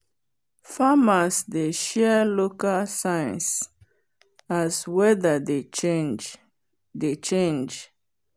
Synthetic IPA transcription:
famasdeʃɛlokalsãj̃ns | azwɛðəded͡ʒ | det͡ʃẽnd͡ʒ

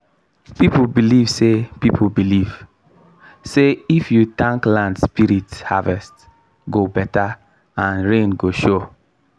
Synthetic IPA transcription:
pipubilivsepip̩ʰbiliv | seifjutãŋklãndspiɹithavɛst | ɡobɛta | ãnɹẽnɡoʃo

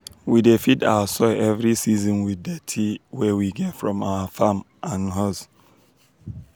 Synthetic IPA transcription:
widefidawəsɔɪɛvɹisizɔ̃nwiðɛtʰiwɛwiɡɛtfɹɔ̃maʊəfãm | ʔãnɦɔs

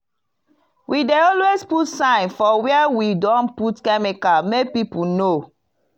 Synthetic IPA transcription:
wʔideɔlwesputsãɪ̃nfɔwɛɛwidɔ̃nputkɛmikamek̚pipuno

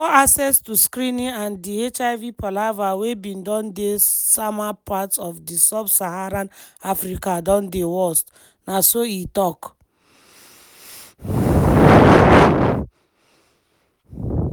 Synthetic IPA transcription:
fɔasɛstuskɾĩnĩãndiet͡ʃaɪvipʰɔlavawebĩndɔ̃ndesamapʰatsɔfdisɔbsahaɾãnafɾikadɔ̃ndewɔst | nasoitɔk

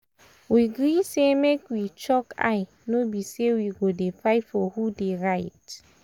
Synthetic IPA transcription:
wiɡɾisemekwit͡ʃɔka̰ɪ | nobisewiɡodefaɪtfɔhudeɹaɪt

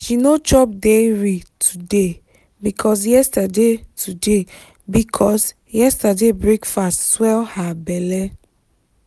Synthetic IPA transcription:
ʃinot͡ʃɔp̚deɹitʰude | bikʰɔs̬jɛstadetʰude | bikʰɔs | jɛstadebɹekfastswɛlhabɛlɛ

